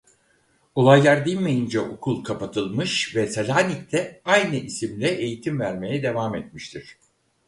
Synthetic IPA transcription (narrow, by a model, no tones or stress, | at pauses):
olˠajlˠaɾd̪ilʲmejind͡ʒɛʔokʰulˠkʰapat̪ʰɯlˠmɯʃvɛsalʲaːnict̪ʰɛajnɯʔisimlʲɛʔejit̪ʰimvæɾme̞jɛd̪e̞vaːmɛt̪̚miʃt̪ʰiɾ̥